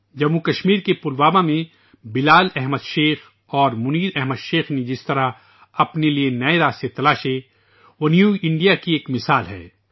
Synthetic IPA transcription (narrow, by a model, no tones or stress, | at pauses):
d͡ʒɐmukɐʃmiːɾkepʊlʋaːmamẽ | bɪlaːlɛɦməd̪ʃeːx | ɔːɾmʊniːd̪ɛɦməd̪ʃeːxned͡ʒɪst̪ɐɾa | ɐpnelienɐeɾaːst̪et̪ɐlaːʃe | ʋonjuːɪ̃ɳɖijakieːkmɪsaːlɦɛ̰ː